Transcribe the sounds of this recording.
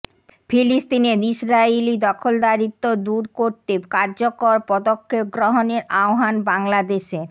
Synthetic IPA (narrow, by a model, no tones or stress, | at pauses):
fʰilist̪ined̪iʃɾailid̪ɔkʰold̪aɾit̪ːod̪uɾkoɾt̪ekaɾd͡ʑokoɾpɔd̪okʰːep̚ɡɾɔɦoneɾaoɦanbaŋlad̪eʃe